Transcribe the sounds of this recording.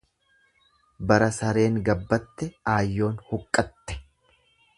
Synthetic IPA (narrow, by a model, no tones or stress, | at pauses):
bɐɾɐsɐɾe̞ːŋɡɐbːɐt̪ːɛaːjːo̞ːnhʊkʼːɐt̪ːɛ̥